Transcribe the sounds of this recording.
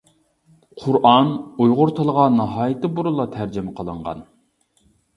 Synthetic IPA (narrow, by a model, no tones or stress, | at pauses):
qʰʊɾʔɑnujʁʊɾt̪ʰəlˠəʁɑnɑɦɑːjɪt̪ɪbuɾulˠɑt̪ʰæɾd͡ʒɪmɛqʰəlˠəɴʁɑ̰n